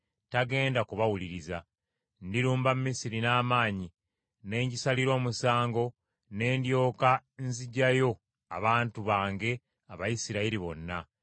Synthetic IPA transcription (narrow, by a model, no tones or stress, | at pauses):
taɡe̞ːndakuβawuliɾiza | ndiɾuːmbamumːisiɾinaːmaːɲi | ne̞ːɲɟisaliɾo̞ːmusaːŋɡo̞ | ne̞ːndjo̞ːkanziɟajo̞ | a̰βaːntuβaːŋɡe̞ | aβajisiɾaiɾiβo̞̰nːa